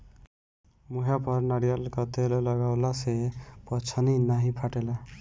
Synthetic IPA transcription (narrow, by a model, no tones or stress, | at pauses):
muɦjapʌɾnaɽijəlkʌt̪elləɡaʊlasepʌt͡ʃʰəninaɦĩpʰaʈela